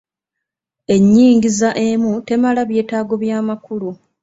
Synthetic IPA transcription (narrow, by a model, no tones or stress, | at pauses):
e̞ɲːiːŋɡizaʔe̞mute̞malaβje̞ːtaːɡo̞βjaːmakulu